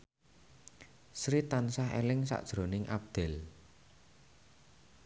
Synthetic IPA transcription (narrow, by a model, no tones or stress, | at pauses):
sɾit̪ansaɦḛlɪŋsa̰ʔd̥ʒ̥ɾo̤nɪŋʔap̚d̪̥ɛ̤l